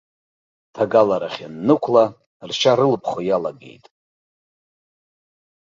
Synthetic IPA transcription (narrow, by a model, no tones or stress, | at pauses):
tʰaɡalaɾaχʲanːɨkʷʰla | rʃʰaɾɨlpʰχojalaɡḛjtʼ